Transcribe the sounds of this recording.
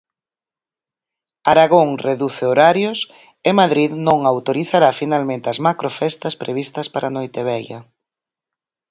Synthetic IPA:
aɾaɣoŋreðuθeoɾaɾjos | emaðɾiðnõŋawt̪oɾiθaɾafinalmẽnt̪ɪɐzmakɾofɛst̪ɐspɾeβist̪ɐspaɾʔanojt̪eβ̞ɛjɐ̰

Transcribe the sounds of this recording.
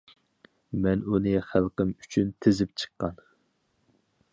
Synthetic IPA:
mɛnunɨχælˠqəmyt͡ʃʰynt̪ʰɪzɪp̚t͡ʃʰə̥qːɑn

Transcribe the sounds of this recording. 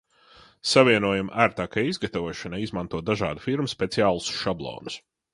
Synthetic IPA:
savʲiɛnuɔjamʔaːɾt̪aːkajizɡat̪avuɔʃanaizmãnt̪uɔt̪d̪aʒa̰ːd̪ufiɾmuspʲet̪siaːlˠusʃablˠɔ̰ːnus

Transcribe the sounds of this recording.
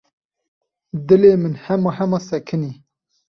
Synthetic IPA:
d̪ɨleːmɨnhɛmɑhɛmɑsɛkʰɨniː

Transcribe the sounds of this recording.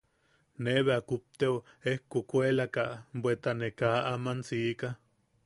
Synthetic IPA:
neβeakup̚t̪euehkukʷelakabwet̪anekaːʔamansiːka

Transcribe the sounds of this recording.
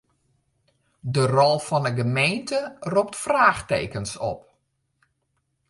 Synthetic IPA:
dərɔlˠfɔnəɡəmeːntʰərup̚tfraːxtḛːkənsɔ̰p̚

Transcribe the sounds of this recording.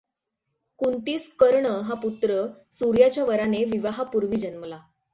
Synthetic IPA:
kunt̪iːskəɾɳəɦaput̪ɾəsuɾjat͡ɕjaʋəɾaneʋiʋaɦapuɾʋiːd͡ʑənməla

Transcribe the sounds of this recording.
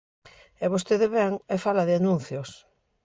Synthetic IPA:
ɛβost̪eðeβɛŋɛfalaðɪanũn̟θjos

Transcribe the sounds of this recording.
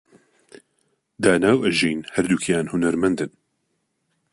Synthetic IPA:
d̪aːnaːwɐʒijnhɐɾd̪ukʰjaːnhʊnɐɾmɐnd̪ɨn

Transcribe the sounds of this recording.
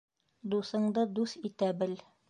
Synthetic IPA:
d̪usɤ̆ɴd̪ɤd̪usit̪æbɘl

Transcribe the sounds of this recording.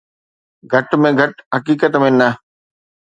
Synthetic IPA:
ɡʱɐʈmẽɡʱɐʈɦɐkiːkət̪mẽːnə

